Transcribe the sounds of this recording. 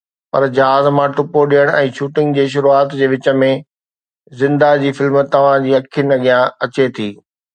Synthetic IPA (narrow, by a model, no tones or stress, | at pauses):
pɐɾd͡ʑɐɦaːzmãʈʊpoɗijəɽ̃ɛ̃ːt͡ɕʰuːʈɪ̃ŋɡd͡ʑeːʃ̬ʊɾuaːt̪d͡ʑeːʋɪt͡ɕə̆mẽ | zɪ̃nd̪ad͡ʑiːfɪlmt̪ɐʋ̤ãd͡ʑiːɐkʰənɐɠijãɐt͡ɕet̪ʰiː